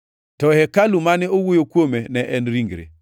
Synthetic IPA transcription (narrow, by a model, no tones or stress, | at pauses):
tɔhɛkalumanɛowojokwomenɛʔɛnɾiŋɡɾḛ